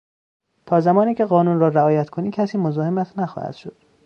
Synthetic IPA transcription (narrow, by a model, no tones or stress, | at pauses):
t̪ʰɒːzæmɒːniːcʰeɢɒːnunɾɒːɾæɒːjæt̪kʰoniːcʰæsiːmozɒːhemæt̪ʰnæxɒ̰hæ̰d̪̥ʃo̞d̪̥